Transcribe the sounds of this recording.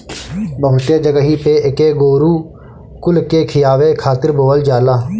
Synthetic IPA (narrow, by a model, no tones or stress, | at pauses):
bəɦʊt̪eːd͡ʒəɡəɦiːpeːʔɪkeːɡoːɾuː | kʊlkeːkʰɪjaːʋeːkʰaːt̪ɪɾboːʋəld͡ʒaːlaː